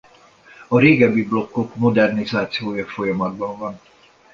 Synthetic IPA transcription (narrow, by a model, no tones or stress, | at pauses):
ɒɾeːɡɛbiblo̞kːokmo̞d̪ɛrnizaːt̪sijoːjɒfo̞jɒmɒd̪̚bɒɱvɒn